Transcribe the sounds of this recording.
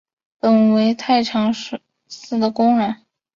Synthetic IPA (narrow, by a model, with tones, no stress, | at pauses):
pə˨˩ŋwe˧˥ɪt̪ʰa˥˩ɪʈ͡ʂʰɑ˧˥ŋʂ | sɹ̩˥˩d̪ə˩kʊ˥ŋɻə˧˥n